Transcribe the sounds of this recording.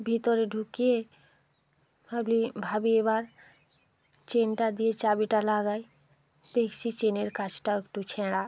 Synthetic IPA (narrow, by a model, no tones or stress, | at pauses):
bʱit̪oɾeɖʱukie | bʱablibʱabieβaɾ | t͡ɕenʈad̪ijet͡ɕabiʈalaɡaj | d̪̥ekʰt͡ɕʰit͡ɕeneɾkat͡ɕʰʈaoekʈut͡ɕʰɛɽa